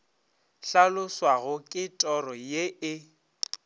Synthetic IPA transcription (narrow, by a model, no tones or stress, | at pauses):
ɬalʊswaɣʊkʼɪtʼɔrɔjeɪ